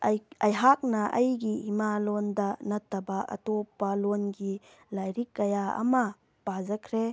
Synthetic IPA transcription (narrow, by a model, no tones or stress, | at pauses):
jɐjɦak̚nɐʔɐjɡiimalɔndɐnɐtːɐbaʔɐ̰topːalɔnɡi | lajɾikːɐjaɐ̰mɐ | pazɐkʰɾe